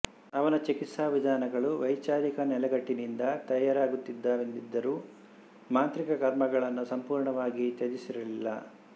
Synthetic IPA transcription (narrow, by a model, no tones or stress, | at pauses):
ɐʋɐnɐt͡ʃikit̪saːʋid̪ʱaːnɐɡɐɭuʋɐjt͡ʃaːɾikɐnɛlɛɡɐʈːinind̪ɐt̪ɐjaːɾaːɡut̪ːid̪ːaːʋend̪id̪ːɐɾuː | maːnt̪ɾikɐkɐɾmɐɡɐɭɐnːusɐmpuːɾɳɐʋaːɡit̪ed͡ʒisiɾɐlilːɐ̰